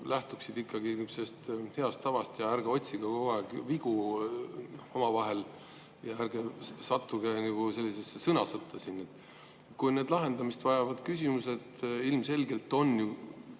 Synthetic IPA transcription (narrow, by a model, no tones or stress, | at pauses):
læht̪uksid̪ikːɑɡ̥inyksest̪he̞ɑst̪ːɑvɑst̪jɑærɡeo̞t̪ʲsiɡ̥ɑkoɑeɡviɡ̥u | omɑvɑɦe̞l | jɑærɡ̥e̞sɑt̪ːuɡ̥enɑɡ̥use̞lːisesːesɤnɑsɤt̪ʰːˑɑsinet̪ːˑ | et̪kujne̞ːd̪lɑɦe̞nd̪ɑmist̪vɑjɑvɑd̪̥kysʲimuse̞d̪ilmse̞lɡe̞lt̪ːˑo̞nːju